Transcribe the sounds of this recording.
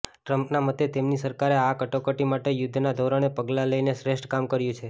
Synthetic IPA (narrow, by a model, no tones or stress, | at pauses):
ʈɾəmpnamət̪ːet̪emnisəɾkaɾeakəʈokəʈimaʈejʊd̪ʱːnad̪ʱoɾəñepəɡlaləineʃɾeʃʈkamkəɾjũt͡ʃʰe